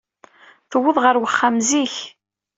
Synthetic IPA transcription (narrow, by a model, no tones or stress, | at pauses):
θəwːəðˤʁəɾwəχːamziç